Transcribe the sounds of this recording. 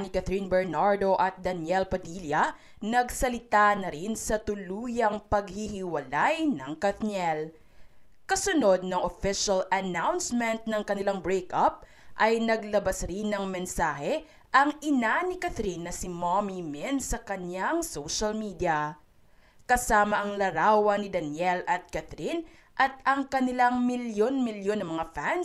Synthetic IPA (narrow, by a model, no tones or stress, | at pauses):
nɪkɐθɾinbɛɹnaɹd̪o̞ʔɐt̪̚d̪ɐnjɛlpɐd̪iljɐ | nɐɡsɐlɪt̪anɐɾinsɐt̪ʊluːjɐŋpɐɡ̚hihɪwɐlajnɐŋkɐt̪nɛl | kɐsʊno̞d̪̚nɐŋofɪʃɐlɐnawnsmɛnt̪̚nɐŋkɐnɪlaŋbɹɛjkʔɐp̚ | ʔɐjnɐɡ̚lɐbasɾinːɐŋmɛnsaːhɛ | ʔɐŋʔɪnanɪkɐθɾinːɐsɪmomimɛnsɐkɐnjaŋsowʃɐlmid̪iɐ | kɐsaːmɐʔɐŋlɐɾaːwɐnɪd̪ɐnjɛlʔɐt̪̚kɐθɾin | ʔɐt̪̚ɐŋkɐnɪlaŋmɪljonmɪljonɐŋmɐŋafan